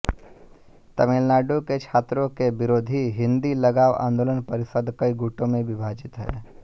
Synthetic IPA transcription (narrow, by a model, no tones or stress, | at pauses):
t̪ɐmelnaːɖoket͡ʃʰaːt̪ɾõkebɪɾoːd̪ʱiɦɪ̃nd̪iləɡaːʋa̰ːnd̪oːlənpəɾɪsəd̪kəiɡuːʈõmẽʋɪbʱaːd͡ʒɪt̪ɦɛ̰ː